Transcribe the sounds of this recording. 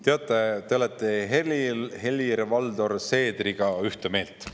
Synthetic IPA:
t̪eɑt̪ːˑet̪eolet̪ːˑeɦelihelʲirvɑld̪o̞rse̞ːd̪̥riɡ̥ɑyht̪eme̞ːlt̪

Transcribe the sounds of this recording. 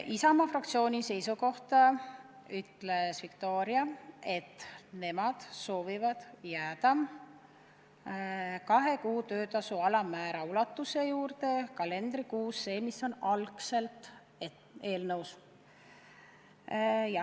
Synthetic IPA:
isɑmɑfrɑkt̪sio̞ːnʲise̞jsuko̞ht̪ɑ | yt̪ːˑle̞svikt̪o̞ːɾiɑe̞t̪ːˑne̞mɑd̪̥so̞ːvivɑd̪̥jæːd̪ɑm | kɑɦe̞kuːt̪ø̞ːt̪ɑsuɑlɑmæːɾɑulɑt̪ːˑuse̞juːɾt̪e̞kɑle̞nd̪rikuːsːe̞ːmiso̞nɑlkse̞lt̪ | e̞ːlnɤws | jɑ

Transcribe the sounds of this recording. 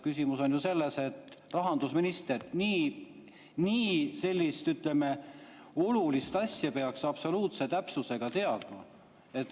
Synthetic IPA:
kysʲimuso̞njuse̞lːe̞se̞t̪ːrɑɦɑnd̪̥usminist̪erniː | niːse̞lʲːist̪yt̪leme̞ | o̞lulist̪ɑsjɑpe̞ɑksɑb̥so̞luːt̪se̞t̪æpsuse̞ɡ̥ɑt̪e̞ɑd̪̥mɑ | e̞t̪ːˑ

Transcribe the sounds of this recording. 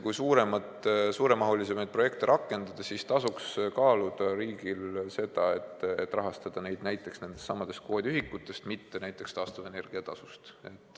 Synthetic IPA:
kujsuːɾe̞mɑt̪ˑsuːɾemɑɦolise̞mɑjd̪̚pro̞je̞kt̪eɾʔɑkːˑe̞nd̪̥ɑd̪̥ɑsist̪ɑsukskɑːlud̪̥ɑɾiːɡ̥ilse̞d̪̥ɑe̞t̪ːe̞t̪ːˑrɑɦɑst̪ɑd̪̥ɑne̞jd̪næjt̪ːˑe̞ksne̞nd̪̥estːsɑmːɑd̪̥e̞st̪̚ko̞ːd̪ʲiyɦikːˑut̪ːˑe̞st̪mit̪ːe̞næjt̪ːˑe̞kst̪ɑːst̪ɑve̞ne̞rɡ̥iɑt̪ɑ̰sust̪e̞t̪ːˑ

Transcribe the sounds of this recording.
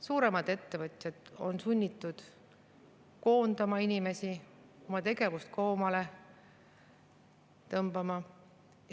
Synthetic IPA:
suːɾe̞mɑd̪̥e̞t̪ːe̞vɤt̪ʲˑjɑd̪̥o̞nsunʲːit̪ːˑud̪̥ | ko̞ːnd̪ɑmɑinʲime̞si | o̞mɑt̪e̞ɡ̥e̞vust̪̚ko̞ːmɑle̞ | t̪ɤmb̥ɑmɑ

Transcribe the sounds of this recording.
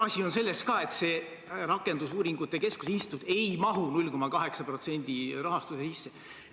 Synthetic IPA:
ɑsʲio̞nse̞lːeskɑːe̞t̪se̞ː | rɑkːe̞nd̪usuːɾiŋɡ̥ut̪ˑːe̞ke̞sku̥sinst̪t̪ud̪̥e̞jmɑɦunulʲko̞mɑkɑɦe̞ksɑpro̞t̪se̞nʲd̪̥iɾɑɦɑst̪usesisːe̞

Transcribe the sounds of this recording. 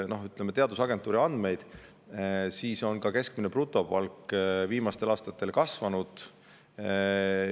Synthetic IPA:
no̞ɦyt̪ːˑlemet̪e̞ɑd̪usɑɡ̥et̪ːˑuːɾiɑnd̪̥me̞jd̪̥ | siːso̞nkɑke̞sk̚mineprut̪ːˑo̞pɑlkviːmɑst̪e̞lɑːst̪ɑt̪ːˑe̞lkɑsvɑnud̪̥

